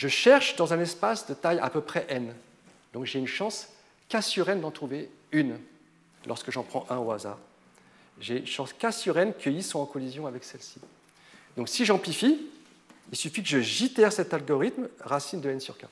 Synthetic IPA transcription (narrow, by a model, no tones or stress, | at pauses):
ʒəʃɛʁʃd̪ɑ̃zɛ̃nɛspasd̪ət̪aja̰pøpχɛʔɛn | d̪ɔ̃kʒeynʃɑ̃s | kʲasyʁɛnd̪ɑ̃t̪χuveyn | lʔɔ̰ʁskəʒɑ̃pχɑ̃ʔɛ̃oaza̰ːʁ | ʒeynʃɑ̃skʲasyʁɛnkʰəilsɔ̃ɑ̃kɔlizjɔ̃avɛksɛlsi̥ | d̪ɔ̃ksiʒɑ̃plifi | ilsyfikəʒəʒit̪ɛʁsɛt̪alɡɔʁit̪mʁasind̪əɛnsyʁkʲa̰